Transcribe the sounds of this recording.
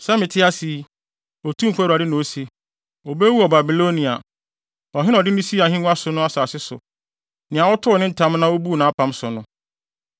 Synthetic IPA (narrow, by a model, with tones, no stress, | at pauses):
sɛ˦mɪ̃˨tʰɪ˦a˦si˨˦ | ɔ˨tʰũ˦m̩˨kʰʷa˦˨a˨dɪ˦nʊ̃˨o˦se˦ | ɔ˨be˦wu˦ɔ˨ba˨bi˨lo˦nĩ˨a̰˨ | ɔ˨ɦɪ̃˦n˦ɔ˨dɪ˦nʊ̃˦si˦˨a˨hɪ̃˦nʊ̃˦a˦sʊ˨nʊ̃˦a˦saː˨sɪ˦sʊ̰˨ | nɪ̃˨a˨wɔ˦tʰʊ˦ɔ˨nɪ̃˦n̩˦tʰã˨˦m˦nã˦o˦bu˦˨nã˨˦pʰã˦msʊ˨nʊ̃˦